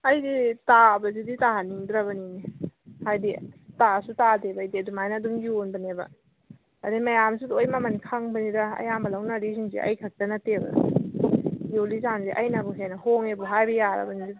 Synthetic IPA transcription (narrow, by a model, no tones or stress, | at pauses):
ɐjditabɐziditaɦaniŋdɾɐbɐninihajditasutatebɐjdiɐdumajnɐdumɡionbɐnebɐ̰ | ɐdimɐjamsudojmamɐnkʰaŋbɐnidaɐ̰jambɐlawnaɾisinzḛʔɐ̰jkʰɐk̚tɐnɐtebɐ̰ | jolizanzeʔɐjnabuɦenɐhoŋebuɦajbɐjaɾɐ̰bɐnizi